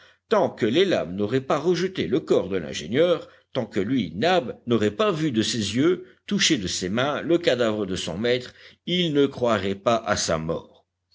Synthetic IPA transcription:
t̪ɑ̃kəlela̰mnɔʁɛpaʁəʒət̪eləkɔʁd̪əlɛ̰̃ʒḛnjœːʁ | t̪ɑ̃kəlɥinabnɔʁɛpavyd̪əsezjø | t̪uʃed̪əsemɛ̃ləkad̪avʁəd̪əsɔ̰̃mɛt̪χilnəkχwaʁɛpaʔa̰sa̰mɔ̰ːʁ

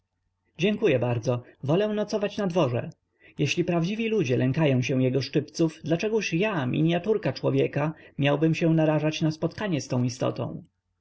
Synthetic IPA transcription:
d͡ʑɛŋkujɛbaɾd̪zɔvɔlɛw̃nɔt̪sɔvat͡ɕnad̪vɔʐɛ̰ | jɛɕlʲipɾavd͡ʑivʲilud͡ʑɛlʔɛŋkajɔ̃w̃ɕɛ̃w̃jɛɡɔʂt͡ʂɘpt̪sufd̪lat͡ʂɛɡuʂjamʲḭɲjat̪uɾkat͡ʂwɔvʲjɛkamʲjawbɘmɕɛ̃naɾaʐat͡ɕnaspɔt̪kaɲɛst̪ɔ̃w̃ist̪ɔ̰t̪ɔ̰̃w̃

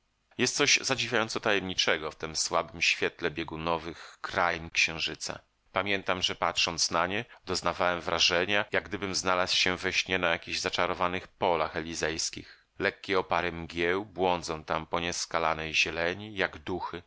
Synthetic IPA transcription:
jɛst̪sɔʑzad͡ʑivʲjajɔnt̪sɔt̪ajɛmɲit͡ʂɛɡɔft̪ɘmswabɘmɕfʲjɛt̪lɛbʲjeɡunɔvɘxkɾajnkɕɛ̃w̃ʐɘt̪sa̰ | pamʲjɛnt̪amʐɛpatʂɔnt̪snaɲɛd̪̥ɔznavawɛmvɾaʐɛɲajaɡ̚ɡd̪ɘbɘmznalaswɕɛvɛɕɲɛnajakʲiʑzat͡ʂaɾɔvanɘxpɔlaxɛlʲizɛjskʲḭx | lɛkʲːɛɔpaɾɛmɡʲjɛwbwɔnd̪zɔ̃w̃t̪ampɔɲɛskalanɛjʑɛlɛɲijaɡd̪uxɘ

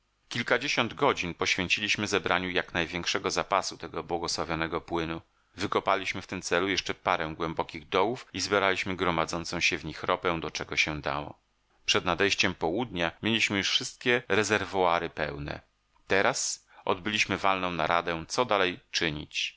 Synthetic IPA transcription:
kʲilkad͡ʑeɕɔnd̪ɡɔd͡ʑinpɔɕfʲjeɲt͡ɕilʲiɕmɘzɛbɾʔaɲujaknajvʲjɛŋkʂɛɡɔzapasut̪ɛɡɔbwɔɡɔswavʲjɔnɛɡɔpwɘnu | vɘkɔpalʲiɕmɘft̪ɘmt̪sɛlujɛʂt͡ʂɛpaɾɛ̃w̃ɡwɛmbɔkʲiɣd̪ɔwufizbʲjeɾalʲiɕmɘɡɾɔmad̪zɔntsɔ̃w̃ɕɛvɲixɾɔpɛ̃w̃d̪ɔt͡ʂɛɡɔɕɛd̪a̰wɔ̰ | pʂɛd̪nad̪ɛjɕt͡ɕɛmpɔwud̪ɲamʲjelʲiɕmɘjuʂfʂɘst̪̚kʲɛɾɛzɛɾvɔaɾɘpɛwnɛ̰ | t̪ɛɾas | ɔ̰d̪bɘlʲiɕmɘvalnɔ̃w̃na̰ɾad̪ɛ̃t̪sɔd̪alɛjt͡ʂɘɲḭt͡ɕ

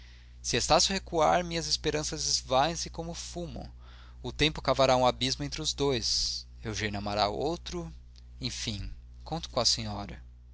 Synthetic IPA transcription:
sɪest̪asjʊhekua̰ɾmĩɲɐzɪspeɾɐ̃sɐzɪzvaẽsɪkõmʊfumɐ̰̃w̃ | ʊt̪ẽmpʊkavaɾaũabizmʊẽnt̪ɾɪʊzd̪ojs | ewʒejnɐmaɾa̰owt̪ɾʊ | ẽj̃fĩ | kõnt̪ʊ̥kõɐsẽɲɔɾɐ

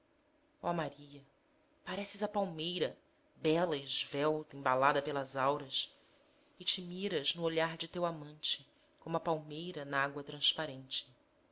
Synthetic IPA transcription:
ɔmaɾiɐ | paɾɛsɪzɐpawmejɾɐ | bɛlɐɪʒvɛwt̪ẽbalad̪ɐpelɐzawɾɐs | ɪt͡ʃɪmiɾɐznʊoʎaɾd͡ʒɪt̪ewamɐ̃nt͡ʃɪ̥ | kõmʊɐpawmejɾɐnɐaɡwɐt̪ɾɐ̃spaɾẽnt͡ʃɪ̥

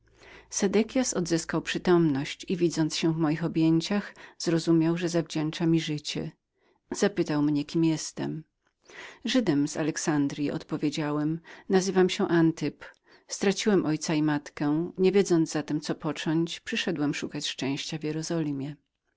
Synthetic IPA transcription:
sɛd̪ɛkʲjasɔd̪zɘskawpʂɘt̪ɔmnɔɕt͡ɕivʲid̪zɔnt̪sɕɛ̃vmɔjixɔbʲjeɲt͡ɕaxz̥ɾɔzumʲjawʐɛzavd͡ʑɛnt͡ʂamʲiʐɘt͡ɕɛ̰ | z̥apɘt̪awmɲɛkʲimjɛst̪ɛ̰m | ʐɘd̪ɛmza̰lɛksand̪ɾʲjiʔɔ̰t̪pɔvʲjed͡ʑawɛmnazɘvamɕɛʔant̪ɨp | st̪ɾat͡ɕiwɛmʔɔjt̪saimat̪kɛɲevʲjed̪zɔnd̪zat̪ɛmt̪sɔpɔt͡ʂɔɲt͡ɕpʂɘʂɛd̪wɛmʂukat͡ɕʂt͡ʂɛ̃w̃ɕt͡ɕavʲjɛɾɔzɔlʲimʲjɛ

